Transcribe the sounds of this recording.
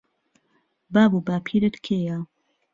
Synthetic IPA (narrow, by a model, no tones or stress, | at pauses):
baːbuːbaːpʰiɾɨt̪kʰeja